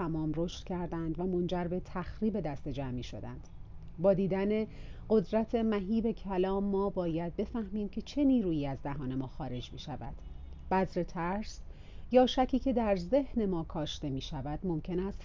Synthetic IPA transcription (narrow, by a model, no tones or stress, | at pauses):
æmɒːmro̞ʃt̪cʰæɾd̪ænd̪væmo̞nd͡ʒæɾbe̞t̪ʰæxɾiːbe̞d̪æst̪e̞d͡ʒæmiːʃo̞̰d̪æ̰nd̪̥bɒːd̪iːd̪æne̞ɢo̞d̪ɾæt̪ʰe̞mæɦiːbe̞cʰælɒːmːɒːbɒːjæd̪̚be̞fæhmiːmcʰe̞t͡ʃʰe̞niːɾuːjiːæzd̪æɦɒːne̞mɒːxɒːɾe̞d͡ʒmḭʃævæ̰d̪̥ | b̥æzɾe̞t̪ʰæɾs | jɒːʃæcʰiːcʰe̞d̪æɾze̞hne̞mɒːkʰɒːʃt̪e̞miːʃævæd̪̥mo̞mcʰe̞næst̪